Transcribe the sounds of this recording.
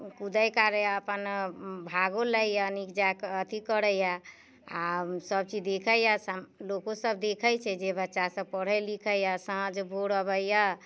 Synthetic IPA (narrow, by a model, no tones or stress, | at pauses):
kud̪əjkaɾəjaəpənbʱaɡoləjanikd͡ʒakət̪ikəɽəja | a̰səbt͡ʃid̪ekʰəjaslokosəb̚d̪ekʰəjt͡ʃʰɛd͡ʒebətːʃasəb̚pəɽ̤əjlikʰəjasə̃ɦd͡ʒbʱoɽəbəjja